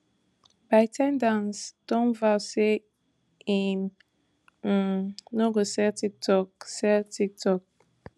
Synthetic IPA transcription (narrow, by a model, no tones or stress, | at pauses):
b̥aɪtʰãmdãnsd̥ɔ̃nvase | ĩn̩ | oɡosɛtik̚tʰɔk̚sɛtʰik̚tʰɔk̚